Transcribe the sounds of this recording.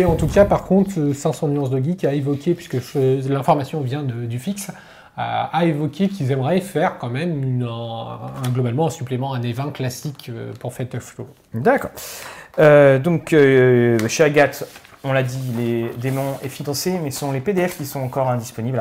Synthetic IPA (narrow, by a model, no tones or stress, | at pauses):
eɑ̃t̪ukapaʁkɔ̃t̪χøsɛ̃sɔ̃nyɑ̃sd̪əɡʲikaevɔkʲepɥiskəfølɛ̃fɔʁmasjɔ̃vjɛ̃d̪əd̪yfiks | aevɔkʰʲekʲilzɛmʁɛfɛʁkɑ̃mɛmyn | ɛ̃ɡlɔbalmɑ̃ɛ̃syplemɑ̃ɛ̃nevɛ̃klasikøpuʁfɛt̪ɔfto | d̪akɔ̰ːʁød̪ɔ̃købʃeaɡat̪ | ɔ̃lad̪iled̪emɔ̃ɛfinɑ̃semɛssɔ̃leped̪eɛfkʲisɔ̃ɑ̃kɔʁɛ̃d̪ispɔnibl